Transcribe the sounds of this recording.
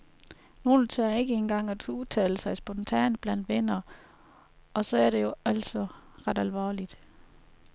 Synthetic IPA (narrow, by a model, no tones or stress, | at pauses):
no̝ːl̩t͡sʰeɐe̝ɡ̥əe̝nɡ̥ɑ̈ŋ̰æd̥uðˠt͡sʰɛ̰ːləsɑ̈ɪsb̥ɔ̽nt͡sʰɛ̰ːnb̥læn̰d̥ʋenɐ | ɒ̽sɒ̽æɐɾe̝jo̝æl̰sɒ | ʁɑ̈d̥ælʋɒ̰ːlid̥